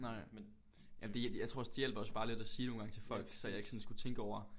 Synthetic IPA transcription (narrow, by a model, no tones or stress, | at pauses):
nɑ̈ɪ̰ | jæmd̥ejɑ̈t͡sʰʁoɐɒsd̥ijel̰b̥ɒ̽sb̥ɑ̈ːle̝d̥æsiːno̝ːn̩ɡ̥ɑ̈ŋt͡sʰe̝lfɒ̽l̰ɡ̥sɒ̽jɑ̈e̝ɡ̥sɒ̽n̩sɡ̥ut͡sʰeŋɡ̥əɒʊ̰ɐ